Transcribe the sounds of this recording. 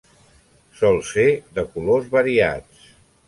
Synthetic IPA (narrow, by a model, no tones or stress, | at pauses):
sɔlˠseðəkulozβəɾia̰t͡s